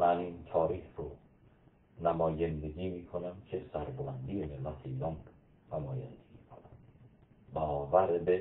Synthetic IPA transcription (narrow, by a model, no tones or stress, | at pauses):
mænint̪ʰɒːɾiːhɾo | næmɒːjænd̪eɡʲiːmiːkʰonæmcʰesæɾbolænd̪ijenemæt̪ʰeilɒm | næmɒːjæ̰nd̪eɡikʰonæm | bɒːvæɾbe